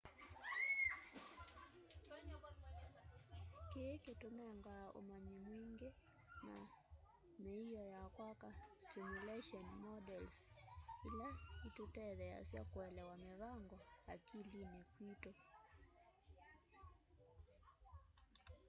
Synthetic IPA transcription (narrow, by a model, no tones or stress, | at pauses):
kekɛtunaŋɡaːʔṵmaɲimwiŋɡɛ | na̰ | mɛijɔjakwakastimulɛʃɔnmɔdɛlsilaitutɛðɛja̰siakuɛlɛwamɛβaŋɡɔakilinikwitɔ